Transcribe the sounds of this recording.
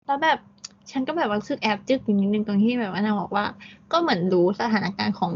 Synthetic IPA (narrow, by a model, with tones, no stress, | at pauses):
lɛ˦˥wbɛː˨˩p̚ | t͡ɕʰa˦˥nkɔː˥˩bɛː˨˩p̚a˧˩u˧sʰɯ˧˩k̚ʔɛː˦˥p̚t͡ɕɯ˧˥˩k̚iː˨˩ni˦˥t̪nɯ˨˩ŋt̪oː˧ŋt̪ʰiː˥˩bɛː˨˩p̚ʔa˧naː˧˩bɔː˨˩k̚waː˥˩kɔː˥˩mɯ˩˦ənɾuː˦˥sa˧aː˩˦na˦˥kaː˧nkʰɔː˩˦ŋ